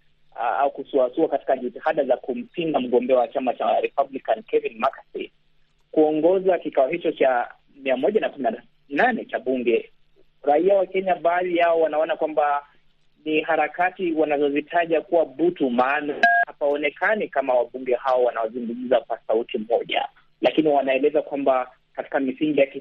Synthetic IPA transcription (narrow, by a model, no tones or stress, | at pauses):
a̰ukusuasuakati̥kaʄitihaɗazakum̩pindam̩ɠɔmbɛawat͡ʃamat͡ʃaɾɛpablikankɛvinmakasḭn | kuɔŋɡɔzakikaɔhit͡ʃɔt͡ʃa | miamɔʄanakumina | nanɛt͡ʃaɓuŋɡɛ | ɾaiawakɛɲaɓaːlijaɔwanaɔnakwamba | niɦaɾakatiwanazɔzitʰaʄakuwaɓutumaːnahapaɔnɛkanikamawaɓuŋɡɛhaɔwanawazuŋɡuɡizakwasautimɔʄa̰ | lakiniwanaɛlɛzakwamba | kati̥kamisiŋɡijaki